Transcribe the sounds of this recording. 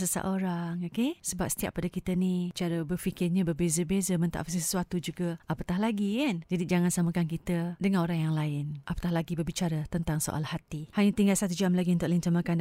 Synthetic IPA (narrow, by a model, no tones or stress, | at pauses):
səsa̰ʔoɾaŋokesəbap̚sə̥t̪ia̰ʔ̚padakit̪ənit͡ʃaɾəbərfikɪrɲãbərbezəbezəmə̃nt̪a̰ʔfasisə̥suat̪ud͡ʒuɡəʔapət̪aɦlaɡikand͡ʒadid͡ʒaŋansaməkankit̪ədəŋãnoɾaŋjaŋlaɪnʔapə̥t̪ahlaɡibərbit͡ʃaɾət̪ənt̪aŋso̰ʔa̰lhat̪ihaɲat̪iŋɡalsat̪ud͡ʒamlaɡiənt̪ʊʔlint̪əmãkan